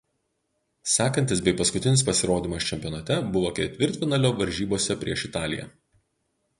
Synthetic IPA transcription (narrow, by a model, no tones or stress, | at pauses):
sʲæːkɐnʲt̪ʲɪsbʲɛɪpɐskʊt̪ʲɪnʲɪspɐsʲɪɾoːd̪ʲiːmɐst͡ʃʲɛmʲpʲijɔnɐt̪ʲɛbʊʋoːkʲɛt̪ʲʋʲɪɾʲt̪ʲfʲɪnɐlʲoːʋɐɾʲʒʲiːboːsʲɛpʲɾʲiɛʃɪt̪ɑːlʲɪjɛ̰